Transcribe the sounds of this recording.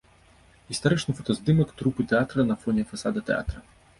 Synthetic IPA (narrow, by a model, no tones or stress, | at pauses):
ɦist̪ɐɾɛt͡ʃnɨfɔt̪ɔzd̪ɪmɔkt̪ɾupɨt̪ɛat̪ɾɐnɐfɔnʲifɐsad̪ɐt̪ɛa̰t̪ɾɐ